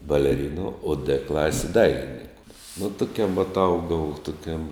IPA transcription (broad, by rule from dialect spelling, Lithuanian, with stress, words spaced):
bɐlʲɛˈrʲɪnʊ oː dɘ ˈklˠɑːsʲɪ ˈdɐɪlʲɪnʲɪŋkʊ nʊ ˈtʊˌkʲɛm ʋɐt ˈɐʊɡɐʊ tʊˈkʲɛm